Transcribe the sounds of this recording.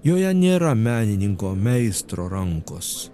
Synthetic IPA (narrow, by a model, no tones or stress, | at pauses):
joːjɛnʲeːɾɐmʲæːnʲɪnʲɪŋkoːmʲɛɪst̪ɾoːɾɐŋkoːs